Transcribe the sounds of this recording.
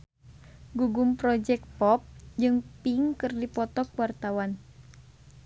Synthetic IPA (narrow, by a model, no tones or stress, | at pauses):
ɡuɡumpɾɔd͡ʒɛk̚t̪̚pɔp̚d͡ʒɨŋpiŋkɨrdipɔt̪ɔkwart̪awan